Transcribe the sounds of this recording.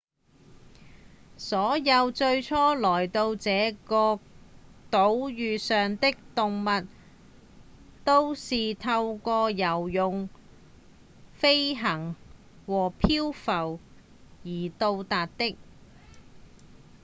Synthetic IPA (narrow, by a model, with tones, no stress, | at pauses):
sɔː˨˥jɐ˧wt͡ʃɵ˧ɥt͡sʰɔː˥lɔː˨˩jt̪o˧wt͡sɛː˨˥kɔː˧ | t̪o˨˥wjyː˨sœː˨ŋt̪ɪ˥k̚t̪ʊ˨ŋmɐ˨t̚ | t̪o˥wsiː˨t̪ʰɐ˧wkɔː˧jɐ˨˩wjʊ˨ŋ | fe˥jɦɐ˨˩ŋ | wɔː˨˩pʰiː˥wfɐ˨˩w | jiː˨˩t̪o˧wt̪aː˨t̚t̪ɪ˥k̚